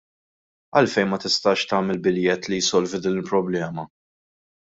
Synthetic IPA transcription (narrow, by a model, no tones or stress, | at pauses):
ɐlfɛjnmɐt̪ɪst̪ɐːʃt̪ɐːmɛlbɪljɛt̪lijsɔlvud̪iːnɪlpɾɔblɛːmɐ